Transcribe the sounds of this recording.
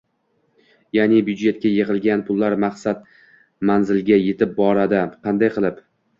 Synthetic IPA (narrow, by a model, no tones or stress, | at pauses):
janɪbjʊd̪d͡ʒe̞t̪̚kʲajeʁɨlˠɡʲanpʰʊlˠːaɾmaqsat̪̚ | manzɪlɡʲaje̞t̪ʰɪp̚bɒɾad̪ɪqʰɑnd̪ajqʰɨlˠɪp